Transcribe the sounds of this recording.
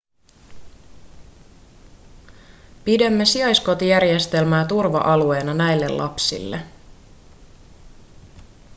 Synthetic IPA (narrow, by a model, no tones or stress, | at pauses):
pidæmːe̞siɑjsko̞t̪ijærje̞st̪e̞lmæːt̪urʋɑ̰ʔɑlue̞ːnɑnæjlːe̞̰llʔɑ̰psḭlːe